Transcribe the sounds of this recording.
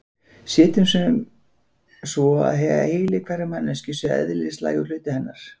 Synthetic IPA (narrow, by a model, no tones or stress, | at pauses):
sɛːt̪ʏmsɛm | svɔa̰ðɦɛva̰heːjlɪkʰvaɾɪmanːɛscɪsɛ̰ðlɪst̪la̰ːjɣʏɾl̥ʏːt̪ɪhɛnːaɾ̥